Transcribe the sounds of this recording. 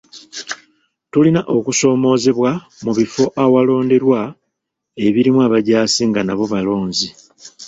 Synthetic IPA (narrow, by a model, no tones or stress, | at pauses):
tulinaʔo̞kuso̞ːmo̞ːze̞βwa | muβifo̞ʔawalo̞ːnde̞ɾwa | e̞βiɾimwaːβaɟaːsiŋɡanaβo̞βalo̞ːnzi